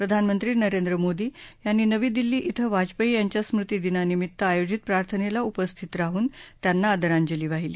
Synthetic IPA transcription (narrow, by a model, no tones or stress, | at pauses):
pɾəd̪ʱanmənt̪ɾiːnəɾend̪ɾəmod̪iːjanːiːnəʋiːd̪ilːiːʔit̪ʰəʋad͡ʑpəijaɲt͡ɕjasmɾut̪iːd̪inanimit̪ːəajod͡ʑit̪̚pɾaɾt̪ʰənelaupəst̪ʰit̪ɾaɦuːnt̪janːaːd̪əɾaɲd͡ʑəliːʋaɦiliː